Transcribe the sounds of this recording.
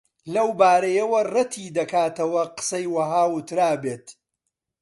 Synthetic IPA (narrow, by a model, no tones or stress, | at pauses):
lɐwbaːɾɐjɐwɐrɐt̪ʰid̪ɐkaːt̪ɐwɐqɨ̥sɐjwɐɦaːwʊt̪ɾaːbeːt̪